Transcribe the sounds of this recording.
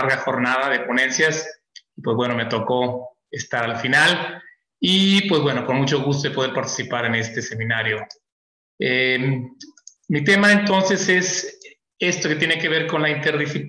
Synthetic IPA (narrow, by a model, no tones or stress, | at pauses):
ɾɣaxo̞ɾnaðaðe̞pone̞nsjas | ipwe̞zβwe̞no̞me̞t̪o̞ko̞ | est̪aɾalfinal | ipwe̞zβwe̞no̞ko̞nmut͡ʃo̞ɣus̬t̪oðepo̞ð̞e̞ɾpaɾt̪i̥sipaɾe̞ne̞st̪e̞se̞mĩnaɾjo̞ | e | mit̪e̞maent̪o̞nse̞se̞s | e̞st̪o̞ke̞t̪je̞neke̞β̞e̞ɾko̞nlaint̪e̞ɾðixi